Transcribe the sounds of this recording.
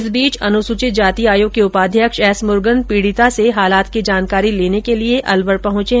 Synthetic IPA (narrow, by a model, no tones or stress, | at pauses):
sbiːt͡ʃɐnʊsʊt͡ʃɪt̪̚d͡ʒaːt̪iaːjõkeʊpaːd̪ʱjəkʃɛːsmʊɾɡənpiːɽɪt̪aseɦaːlaːt̪kid͡ʒaːnkaːɾileːnekelieʔɐlʋəɾpɐɦʊ̃t͡ʃe